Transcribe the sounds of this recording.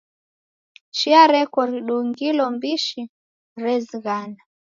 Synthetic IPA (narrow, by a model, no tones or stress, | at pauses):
t͡ʃiaɾɛkɔɾiɗuŋɡilɔmbiʃi | ɾɛziɣana